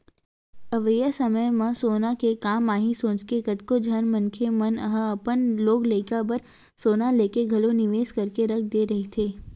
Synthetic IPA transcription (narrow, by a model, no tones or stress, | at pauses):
ɐʋəjəsɐməjmə̃soːnakekaːmaːɦisõːt͡ʃkekɐt̪kod͡ʒʱɐnmɐ̃nkʰemɐnəɦəɐpənloːɡleːkabɐɾ | soːnaleːkeɡʱɐlonɪʋeːskɐɾkeɾɐk̚ʰd̪eːɾɐɦet̪ʰeː